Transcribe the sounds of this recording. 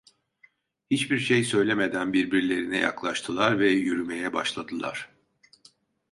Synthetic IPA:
hit͡ʃbiɾʃejsø̞jlʲeme̞d̪ænbiɾbiɾlʲe̞ɾinɛja̰klˠaʃt̪ʰɯlˠaɾvɛjyɾyme̞jɛba̰ʃlˠad̪ɯlˠa̰ɾ̥

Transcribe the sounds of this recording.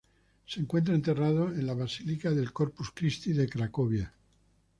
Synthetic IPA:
seŋkwe̞nt̪̬ɾaent̪e̞raðoenlaβasilikaðe̞lkoɾpuskɾist̪iðekɾakoβja

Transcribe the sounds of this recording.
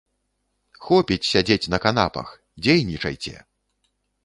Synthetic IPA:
xɔpʲit͡sʲsʲad͡zʲet͡sʲnɐkan̪a̰pɐ̰x | d͡zʲejnʲit͡ʂɐ̰jt͡sʲɛ̰

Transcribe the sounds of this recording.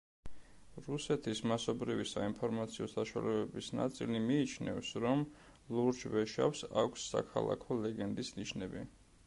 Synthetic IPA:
ɾusɛt̪ʰismasɔbɾivisainpʰɔɾmat̪sʰiɔsaʃwa̰lɛbɛbisna̰t̪sʼḭlimiːt͡ʃʰnɛ̰vsɾɔm | luɾt͡ʃʰvɛʃafsakʷʰsːa̰kʰa̰lˠa̰kʰɔlɛɡɛnd̪isniʃnɛbi

